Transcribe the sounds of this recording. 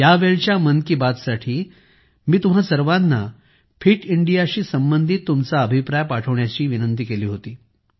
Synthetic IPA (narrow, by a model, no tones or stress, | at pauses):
jaʋeɭt͡ɕjamənkiːbat̪saʈʰiː | miːt̪um̤asəɾʋanːa | fʰiʈiɳɖijaɕiːsəmbənd̪ʱit̪ːumt͡saəbʱipɾajpaʈʰəʋɳjat͡ɕiːʋinənt̪iːkeliːɦot̪iː